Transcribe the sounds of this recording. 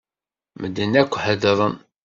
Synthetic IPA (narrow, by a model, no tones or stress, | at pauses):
məd̪ːənːækʷːħəðəɾˤən